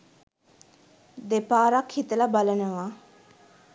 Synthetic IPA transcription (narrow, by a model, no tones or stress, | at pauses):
d̪epaːɾakhit̪əlabalənəʋa